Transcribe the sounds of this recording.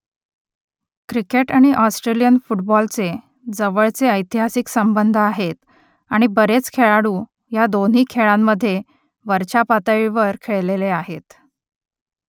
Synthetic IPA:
kɾikeʈaɽ̃iʔɔsʈɾelijənfuʈbɔlt͡se | d͡zəʋəɭt͡seəjt̪iɦasiksəmbənd̪ʱaɦet̪ | aɽ̃ibəɾet͡skʰeɭaɽuː | jad̪on̤iːkʰeɭamːəd̪ʱːje | ʋəɾt͡ɕapat̪əɭiʋəɾkʰeɭleleaɦet̪

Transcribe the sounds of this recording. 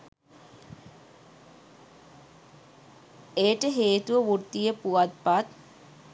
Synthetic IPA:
ejʈəɦeːt̪uʋəʋut̪ːijəpuat̪̚pat̪̚

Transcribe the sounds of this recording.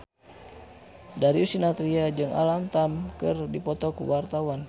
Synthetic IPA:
daɾiusinat̪ɾiad͡ʒɨŋʔa̰lamt̪amkɨrdipɔt̪ɔkuwart̪awan

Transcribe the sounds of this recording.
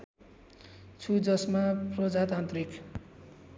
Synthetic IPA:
t͡sʰud͡zʌsmaprʌd͡zat̪ant̪rik

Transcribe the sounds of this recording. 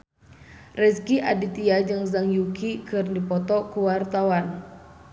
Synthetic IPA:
rɛskiʔadit̪iad͡ʒɨŋzaŋjukikɨrndipɔt̪ɔkuwart̪awan

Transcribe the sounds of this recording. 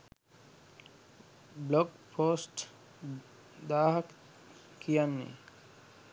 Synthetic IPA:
bloɡpʰoːsʈ | d̪aːɦək | kijanːḭ

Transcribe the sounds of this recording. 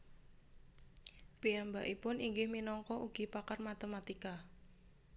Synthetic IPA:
piambaʔipʊniŋɡɪhminɔŋkɔʔuɡ̥i̤pakarmat̪emat̪ika

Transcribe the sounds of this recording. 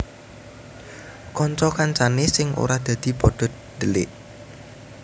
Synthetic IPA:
kɔnt͡ʃɔkant͡ʃanesɪŋṵɾahd̪̥ä̤d̪̥i̤pɔɖ̪̥ɔ̤t̪̚dəlɪʔ

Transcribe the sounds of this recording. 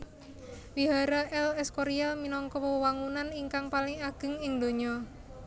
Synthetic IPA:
wiɦaɾaʔɛlɛskɔɾialminɔŋkɔpəwəwaŋunaniŋkaŋpalɪŋaɡ̥ə̤ŋɪŋd̪oɲɔ

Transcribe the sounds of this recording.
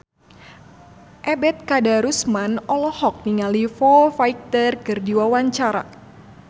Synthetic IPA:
ʔɛbɛt̪̚kadaɾusmanɔlɔhɔk̚niŋalifɔfaik̚t̪ərkɨrdiwawaɲt͡ʃaɾa̰

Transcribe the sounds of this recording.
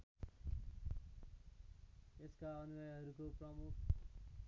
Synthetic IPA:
eskaʌnunʌjɦʌɾukoprʌmukʰ

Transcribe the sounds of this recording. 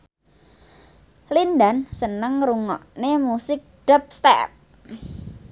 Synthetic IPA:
lind̪ansənəŋruŋɔ̰ʔnemusɪk̚ɖ̥ɔ̤p̚st̪ɛ̰p̚

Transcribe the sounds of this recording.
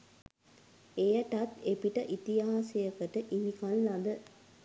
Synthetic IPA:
ejəʈat̪epiʈəʔit̪ijaːsejəkəʈəʔinikalːad̪ə

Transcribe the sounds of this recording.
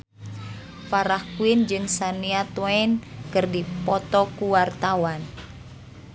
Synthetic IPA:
paɾahkuind͡ʒɨŋsaniat̪ɔɛnkɨrdipɔt̪ɔkuwart̪awan

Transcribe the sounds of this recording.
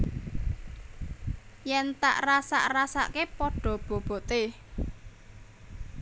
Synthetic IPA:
jɛnt̪a̰ʔrasa̰ʔrasa̰kepɔɖ̥ɔ̤b̥ɔ̤b̥ɔ̤t̪e

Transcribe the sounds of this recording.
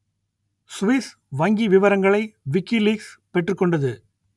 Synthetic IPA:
sʋɪs | ʋɐŋɡiʋɪʋɐɾɐŋɡɐɭɐɪʋɪkːiliːkspɛʈːrɯkːɔɳɖɐðɯ

